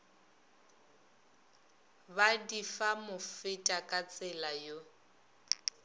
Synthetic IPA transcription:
badifamʊfɪtʼakʼat͡sʼɪlajo

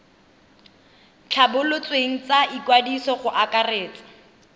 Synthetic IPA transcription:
t͡ɬʰabʊlʊt͡sweŋ̩t͡saikwadisɔχʊʔakareːt͡sɪ̥

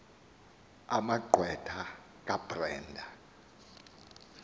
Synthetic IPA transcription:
amaǃʱwɛtʰa | k̬ʼab̥rɛːndʱa

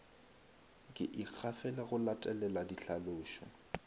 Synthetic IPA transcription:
kʼɪʔɪk͡xʰafɛlaɣʊlatʼɛlɛladiɬaloːʃɔ̰

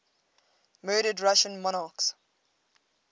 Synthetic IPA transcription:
mɜːɾədɹaʃə̃nmɔñɑːˑks

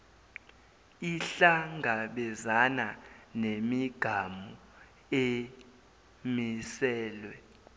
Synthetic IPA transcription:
iɬaŋʱaɓɛzananemiɡ̥ʱamu | e | misɛːlwɛ

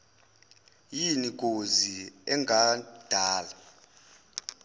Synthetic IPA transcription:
jinik̬ʼoziɛŋʱad̥ʱaːla

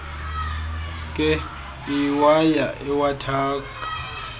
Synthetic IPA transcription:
kʼɛ | iwajaʔɛwatʰaːkʼḁ

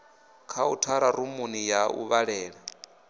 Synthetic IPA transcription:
kʰautʰaɾaɾumunijaṵβaɺɛːɺɛ

